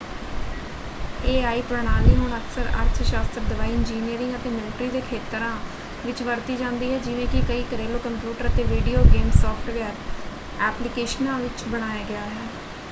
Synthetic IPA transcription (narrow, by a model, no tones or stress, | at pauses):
eːaːiːpɾəɽ̃aːliːɦʊɳəksəɾə̰ɾt̪ʰʃaːst̪ɾd̪ɪʋaːiːɪnd͡ʒiːnijəɾɪ̃ŋət̪eːmɪlɪʈɾiːd̪eːkʰeːt̪ɾãː | ʋɪt͡ʃʋəɾt̪iːd͡ʒãːnd̪iːɦɛːd͡ʒɪʋẽːkɪkəiːkəɾeːloːkəmpjuːʈəɾət̪eːʋiːɖiːoːɡeːmsɔːfʰʈʋəːɾ | ɛːplɪkeːʃənãːʋɪt͡ʃbəɽ̃aːjaːɡɪaːɦɛː